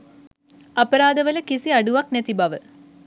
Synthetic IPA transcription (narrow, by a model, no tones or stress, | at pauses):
ɐpəɾaːd̪əʋələkisiaɖuʋaknɛt̪ibaʋə